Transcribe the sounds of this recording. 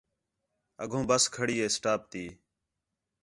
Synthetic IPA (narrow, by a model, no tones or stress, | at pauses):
ə̰ɡʱõːbəskʰəɽiːeːsʈaːp̚t̪iː